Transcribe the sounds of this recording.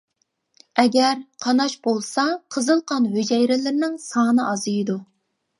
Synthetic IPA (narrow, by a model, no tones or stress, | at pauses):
ɛɡʲɛɾqʰɑnɑʃbolˠsɑqʰəzɨlˠqɑnɦød͡ʒɛjɾɪlɪɾnɪŋsɑːnɨʔɑzɨjɨd̪u